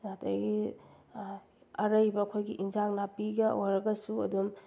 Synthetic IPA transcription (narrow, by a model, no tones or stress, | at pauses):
natʰajɡi | ɐɾɐjbɐɐkʰojɡiʔinzaŋnapiɡɐojɾɐɡɐsuɐ̰dum